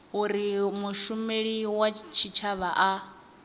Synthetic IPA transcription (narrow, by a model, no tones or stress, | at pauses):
uɾimuʃumeɺiwat͡ʃʰit͡ʃʰaβaʔa